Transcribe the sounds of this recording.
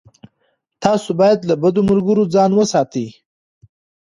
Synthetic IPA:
t̪ɑsobɑjad̪labad̪omʊlɡəɾod͡zɑnwəsɑt̪i

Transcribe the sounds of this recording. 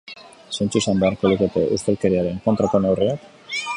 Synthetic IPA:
sent͡suisambe̞aɾkoluket̪e̞ʔust̪elke̞ɾiaɾe̞ŋko̞nt̪ɾako̞newreak

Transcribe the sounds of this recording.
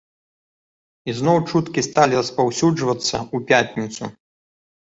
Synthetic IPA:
iznɔwt͡ʂut̪kʲist̪alʲiɾɐspawsʲud͡ʐvɐt̪sːɐupʲat̪ʲnʲit̪su

